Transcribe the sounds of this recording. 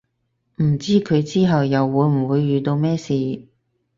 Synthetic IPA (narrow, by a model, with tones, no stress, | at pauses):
m̩˨˩t͡siː˥kʰɵ˨˧ɥt͡siː˥ɦɐ˨wjɐ˨wːuː˨˧˥jm̩˨˩wuː˨˧jːyː˨t̪o˧wmɛː˥siː˨